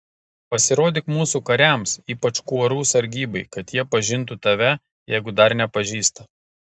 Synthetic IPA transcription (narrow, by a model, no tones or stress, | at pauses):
pɐsʲɪɾoːd̪ʲɪkmuːsukɐɾʲæˑmsiːpɐt͡ʃkuɔɾuːsɐɾʲɡʲiːbɐɪkɐt̪jiɛpɐʒʲɪnt̪ut̪ɐʋʲɛ | jɛɪɡʊd̪ɐɾnʲɛpɐʒʲiːst̪ɐ